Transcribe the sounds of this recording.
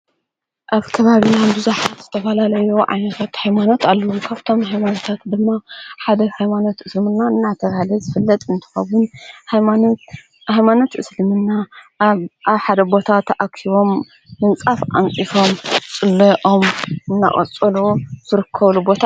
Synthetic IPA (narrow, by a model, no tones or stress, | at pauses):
ʔaβkʰɐβaβinabɨzuħat̪z̥ɨt̪ʰɐfɐlalɐjuʕa̰jnɐt̪ʰat̪hajmano̞t̪alːɐwukʰaβt̪ʰo̞mɦajmanot̪ʰat̪d̪ɨmːaħad̪ɐhajmanot̪ɨslɨmɨnːaɨnːat̪ʰɐβahɨlɐzɨfɨlːɐt̪ʼɨnt̪ʰɨ̥xɐwʊnhajman | hajmano̞t̪ʔɨslɨmɨnːa | aβħad̪ɐbo̞t̪ʰat̪ʰɐʔakʰiβo̞mː | ɨnt͡sʼafʔa̰nt͡sʼifo̞mt͡sʼɨlːɐʔomɨnːa̰χʼɐ̰t͡sʼɐluz̥ɨɾɨkʰːɐβlubo̞t̪ʰa